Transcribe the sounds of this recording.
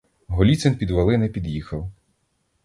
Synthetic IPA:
ɦɔlʲit͡s̪ɪnpʲid̪ʋɐlˠɪnɛpʲid̪jixɐw

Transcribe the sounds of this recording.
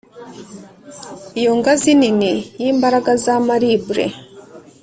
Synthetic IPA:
ijoŋɡazininijiːmbaɾaɡazamaɾibuɾḛ

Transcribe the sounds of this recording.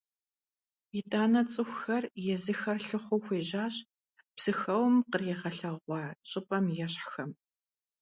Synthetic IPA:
itʼaːnɐt͡sʼɨxʷxɐrjɛzɨxɐrɬɨχʷʊxʷeːʑaːɕ | psɨxɐwmqərjɛʁɐɬɐʁʷɑːɕʼɨpʼɐmjɛɕħxɐm

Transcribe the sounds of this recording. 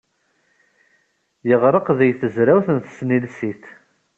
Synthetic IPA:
jəʁɾˤəqðæjθəzɾæwθənθsnilsiθ

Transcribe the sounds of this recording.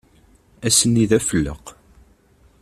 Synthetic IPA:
æsənːiðæfəlːə̰q

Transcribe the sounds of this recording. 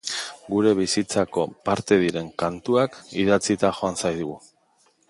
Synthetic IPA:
ɡuɾe̞β̞isit͡sako̞paɾt̪e̞ðiɾe̞ŋkant̪uakiðat͡sit̪axo̞ansajðuɣu

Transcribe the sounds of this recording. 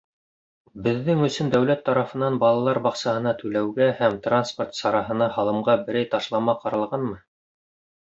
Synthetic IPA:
bɘ̆ðːɘŋɵ̆sɵnd̪æwlæt̪ːɑɾɑfɤ̆nɑnbɑlˠɑlˠɑɾbɑqsɑhɤ̆nɑt̪ɵlæwɡæhæmt̪ransport̪sɑɾɑɦɤ̆nɑhɑlˠɤ̆mʁɑbɘ̆ɾæjt̪ɑʃlˠɑmɑqɑɾɑlˠʁɑnmɤ

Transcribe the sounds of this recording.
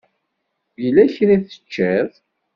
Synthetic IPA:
jəlːæçɾiθə̥t͡ʃːæð

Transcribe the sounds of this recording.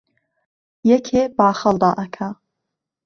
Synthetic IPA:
jɛkʰebaːxəlˠd̪ɑːʔɐkʰa

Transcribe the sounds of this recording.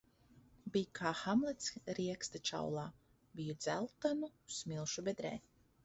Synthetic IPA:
bijkʰaːxamlˠɛt̪sɾiɛkst̪at͡ʃa̰wlˠaː | bijud̪zælˠt̪anusmilˠʃubɛd̪ɾɛ̰ː

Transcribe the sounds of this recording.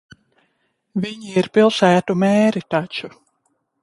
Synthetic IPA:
viɲiiɾpilˠsæːt̪umeːɾit̪at͡ʃu

